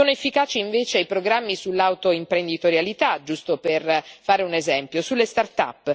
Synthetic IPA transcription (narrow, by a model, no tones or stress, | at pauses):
oːnoefːikaːt͡ʃiiɱveːt͡ʃeajpɾoɡɾamːisulːawt̪oimpɾend̪it̪oɾjalit̪ad͡ʒust̪operfaːɾeunezɛmpjosulːest̪art̪a̰pː